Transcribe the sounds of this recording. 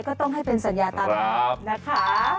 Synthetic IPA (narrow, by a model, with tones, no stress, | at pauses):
jkɔː˥˩t̪ɔ˥˩ŋɦa˥˩jpe˧nsa˩˦njaː˧t̪aː˧mlɔː˩˦˩na˦˥kʰa˦˥